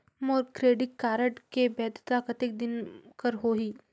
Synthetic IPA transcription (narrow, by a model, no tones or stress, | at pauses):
moːɾkɾeːɖɪkːaːɾəʈkebɛːd̪t̪akət̪ek̚d̪ɪnkəɾɦoɦiː